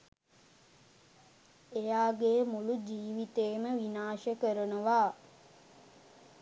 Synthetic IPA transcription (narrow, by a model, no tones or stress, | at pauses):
ejaːɡeːmulud͡ʒiːʋit̪eːməʋinaːʃəkəɾənuʋaː